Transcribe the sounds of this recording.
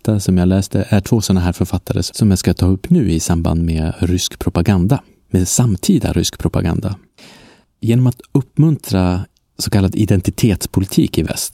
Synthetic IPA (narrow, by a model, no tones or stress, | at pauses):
t̪ːasɔmjaːɡlɛːst̪əʔæʈʰv̥oːsɔnːaɦæːɾfœɾfat̪ːaɾə̰ssɔmjaːskat̪ʰɑːɵpːnʉ̟ːɪsamba̰nd̪meːɾʏskpʰɾʊpaɡand̪a | mesamːt̪ʰiːd̪a̰ɾʏskpʰɾʊpa̰ɡa̰nd̪a̰ | jeːnɔmat̪ɵpːmɵnt̪ʰɾa | sɔkʰalːad̪ɪd̪ɛnt̪ɪt̪ʰeːt̪spʰʊlɪt̪ʰiːkɪvɛ̰st̪